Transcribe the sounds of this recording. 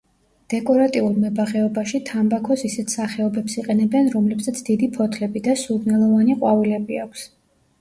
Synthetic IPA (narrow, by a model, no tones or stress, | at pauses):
d̪̥ɛkʼɔɾat̪ʼiulˠmɛbaʁɛɔbaʃit̪ʰambakʰɔsisɛt̪ʰsaχɛɔbɛpsiqʼɛnɛbɛnɾɔmlɛbsat̪sʰd̪̥id̪ipʰɔt̪ʰlɛbid̪asuɾnɛlˠɔvaniqʼwavilɛbiakʷʰs